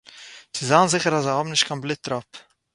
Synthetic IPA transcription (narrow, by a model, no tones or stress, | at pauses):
t͡sɪzaːnzɪχəɾazahɔbm̩nɪʃtkʰanblˠɪt̚ɾɔp